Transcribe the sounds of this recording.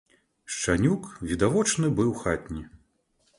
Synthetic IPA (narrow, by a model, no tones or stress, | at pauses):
ʂt͡ʂanʲukvʲid̪avɔt͡ʂnɨbɨwxat̪ʲnʲi